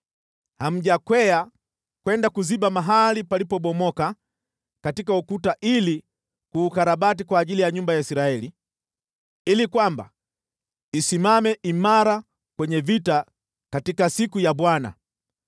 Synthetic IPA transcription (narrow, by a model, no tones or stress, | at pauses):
ham̩ʄakwɛa | kwɛndakuziɓamaɦalipalipɔɓɔmɔka | katikaukutaʔili | kuːkaɾaɓatikwaːʄilijaɲumbajaisiɾaɛli | ilikwamba̰ | isimamɛʔimaɾa | kwɛɲɛvita | katikasikujaɓwana̰